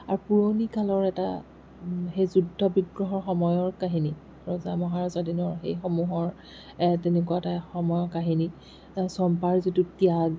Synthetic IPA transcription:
aɹupuɹonikalɔɹɛta̰ | xejzudʱːɔbiɡɹɔɦɔɹxɔmɔjɔɹkaɦini | ɹɔzamɔɦaɹazadinɔɹxejxɔmuɦɔɹ | ɛtenɛkuataxɔmɔjɔkaɦini | sɔmpaɹzitutia

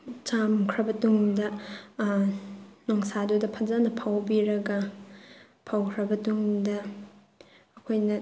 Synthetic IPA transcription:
t͡ʃamkʰɾɐbɐtuŋdɐ | noŋsadudɐpʰɐzanɐpʰawbiɾɐɡɐ | pʰawkʰɾɐbɐtuŋdɐ | kʰojnɐ

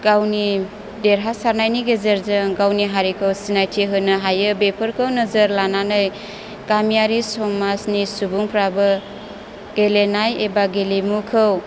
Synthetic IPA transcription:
ɡ̥awni | deɾɦasaɾnajniɡezəɾzɯŋɡawniɦaɾikʰɯwsinajtʰiɦɯnɯɦajɯbepʰɯɾkʰɯwnɐzəɾlananɯj | kamijaɾisɔŋmasnisubuŋpʰɾabɯ | ɡ̥elenajebaɡelemukʰɯw

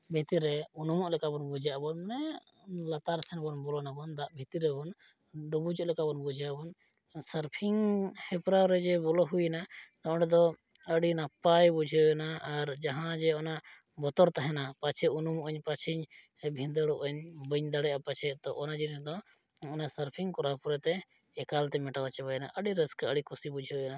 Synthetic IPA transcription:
bʱit̪iɾɛunumɔʔlɛkabɔnbud͡ʒʱjaʔbɔnmɛ | lat̪aɾt͡ʃʰɛnbɔnbɔlɔnabɔnd̪aʔbʱit̪iɾɛbɔn | ɖɔbud͡ʒɔʔlɛkabɔnbud͡ʒʱjaʔbɔn | səɾpʰiŋhɛpɾaɾɛd͡ʒɛbɔlɔɦujnad̪ɔʔɖɛd̪ɔ | əɖinapajbud͡ʒʱɛɛnaːɾd͡ʒaɦãd͡ʒɛɔnaʔ | bɔt̪ɔɾt̪aɦɛnapat͡ʃʰɛunumʔəɲpat͡ʃʰiɲ | bʱĩnd̪əɽɔʔəɲbəɲd̪aɽɛʔapat͡ʃʰɛt̪ɔʔɔnad͡ʒinisd̪ɔ | ɔnasəɾpʰiŋkɔɾapɔɾɛt̪ɛ | ɛkalt̪ɛmɛʈawat͡ʃɛbajna̰ʔəɖiɾəskaəɽikɔsibud͡ʒʱɛɛna

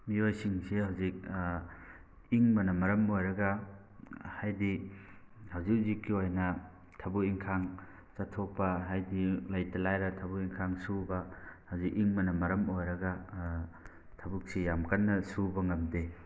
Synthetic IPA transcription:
miojsiŋsihɐwzik̚ | iŋmɐnɐmɐɾɐmojɾɐɡɐ | hajdi | hɐwzik̚zikːiojnɐ | tʰɐbuiŋkʰaŋ | t͡ʃatʰok̚pɐɦajdilɐjtɐlajɾɐtʰɐbuiŋkʰaŋsubɐhɐwzikiŋmɐnɐmɐɾɐmojɾɐɡɐ | tʰɐbuk̚sijamkɐnːɐsubɐŋɐmde

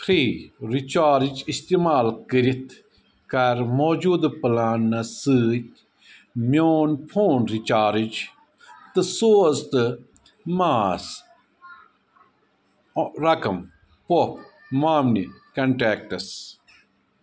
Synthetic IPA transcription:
pʰɾiːɾit͡ʃaːɾid͡ʒist̪imaːlkəɾit̪ʰ | kɐɾmoːd͡ʒuːd̪ɨpɨlaːnːɐsɨːt̪ʲ | mjoːnpʰoːnɾit͡ʃaːɾid͡ʒ | t̪ɨsoːzt̪ɨ | maːs | ɾɐkɐm | popʰ | maːmnikɐɳʈeːk̚ʈɐs

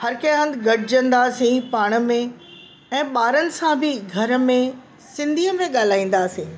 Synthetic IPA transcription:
hɐɾkẽɦə̃nd̪ɡɐʈɪd͡ʑə̃nd̪asĩpaːɽ̃ə̆mẽ | ɛ̃ːɓaːɾənɪ̆sãbʱɪɡʱɐɾə̆mẽ | sɪ̃nd̪ʱiəmẽɠaːl̤aːĩːn̆d̪aːsĩː

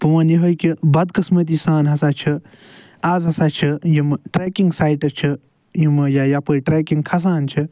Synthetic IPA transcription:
pɐʋɐnjiɦojkibɐd̪kɨsmɐt̪̬isaːnɦɐsaːt͡ʃʰi | aːzɦɐsaːt͡ʃʰijimʈɾeːkiŋɡsaːjʈɐt͡ʃʰi | jimjajapəjʈɾeːkiŋɡkʰɐs̬aːnt͡ʃʰi

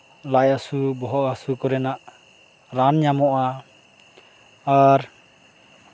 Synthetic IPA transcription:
lajasubɔɦɔʔasukɔɾɛnaʔ | ɾanɲamɔʔa | aɾ

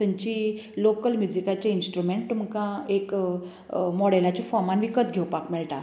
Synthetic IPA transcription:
t̪ə̃ɲt͡ɕilokəlmjud͡ʑikat͡ɕeinsʈɾumeɳʈ̚t̪umkãek | mɔɽelat͡ɕifɔɾmanʋikət̪ɡʱewpakmɛɭʈa

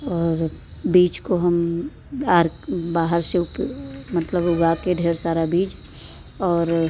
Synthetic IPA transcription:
ɔːɾbiːt͡ʃkoɦəm | aɾbaːɦəɾseupmət̪ləbʊɡakeɖʱeːɾsaːɾabiːt͡ʃ | ɔːɾ

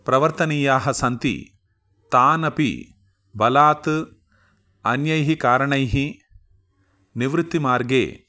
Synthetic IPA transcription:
pɾɐʋɐɾt̪ɐniːjaːɦɐsɐnt̪ḭ | t̪aːnɐpḭ | bɐlaːt̪ | ɐnjɐjɦikaːɾɐɳɐjɦi | niʋɾɪt̪ːimaːɾɡḛː

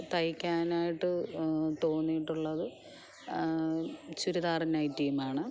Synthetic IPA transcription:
t̪ɐjikʲːaːnaːjiʈːɨt̪o̞ːnijiʈːuɭːɐðɨ | t͡ɕuɾuðaːrɐnajtːijumaːɳɨ

